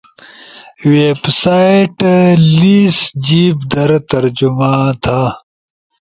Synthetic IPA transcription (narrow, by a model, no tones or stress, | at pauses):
weːbsaːjʈliːsd͡ʑiːbd̪ɐɾɐt̪ɐɾd͡ʑumãːt̪ʰaː